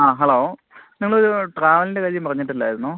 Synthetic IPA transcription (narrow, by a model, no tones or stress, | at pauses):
aːɦɐloː | niŋɐɭoɾuʈraːʋɐlinde̞kɐðjumpɐrɐɲːiʈːilːa̰ːjiɾunːoː